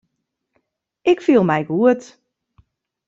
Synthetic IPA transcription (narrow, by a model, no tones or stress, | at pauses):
ʔɪkfilˠmɛjɡuət